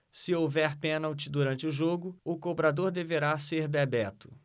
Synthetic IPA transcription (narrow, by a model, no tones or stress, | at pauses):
sɪowvɛɾpẽnawt͡ʃɪd̪uɾɐ̃nt͡ʃɪʊʒoɡʊʊkobɾad̪oɾd̪eveɾaseɾbɛbɛt̪ʊ̥